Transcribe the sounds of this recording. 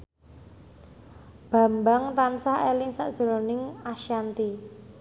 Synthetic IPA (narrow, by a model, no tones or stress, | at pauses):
b̥a̤mbaŋt̪ansaɦelɪŋsa̰ʔd̥ʒ̥ə̤ɾɔnɪŋaʃjant̪i